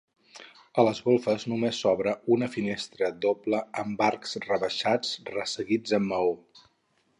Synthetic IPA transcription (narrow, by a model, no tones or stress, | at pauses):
ələzɣolˠfəznumesːɔβɾəunəfinest̪ɾəd̪opləəmbaɾksrəβəʃad͡zrəsəɣid͡zəmːəo